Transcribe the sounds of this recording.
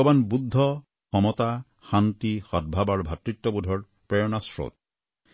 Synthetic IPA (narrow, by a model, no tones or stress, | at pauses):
ɔbanbud̪ʱːɔ | xɔmɔt̪a | xant̪ixɔd̪̚bʱabaɹbʱat̪ɹit̪ːɔbud̪ʱɔɹ | pɹejɔnasɹo̰t̪̚